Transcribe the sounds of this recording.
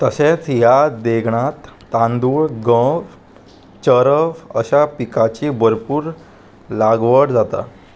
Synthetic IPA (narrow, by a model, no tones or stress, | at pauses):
t̪əset͡sjad̪eɡʱɳat̪ː | ãnd̪uːɭɡə̃ʋ | t͡ɕəɾəfə̰ɕapikat͡ɕibəɾpuːɾ | laɡʋəɽd͡zat̪a̰